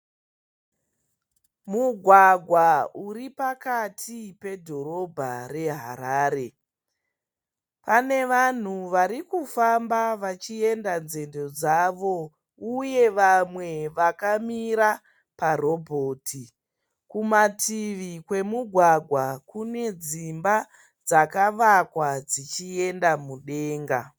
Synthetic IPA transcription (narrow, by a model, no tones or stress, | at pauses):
muɡʱwaɡʱwauɾipakatʰipe̞dʱo̞ɾo̞bʱa̰re̞ɦa̰ɾaːɾe̞ | pane̞ʋan̤uʋaɾikufambaʋat͡ʃie̞ndanze̞ndo̞d͡zaʋo̞ | uje̞ʋamwe̞ʋakamiɾa | paro̞bʱo̞ːtʰi | kumatʰiʋikwe̞muɡʱwaɡʱwakune̞d͡zimba | d͡zakaʋakwad͡zit͡ʃie̞ndamuɗe̞ːŋɡa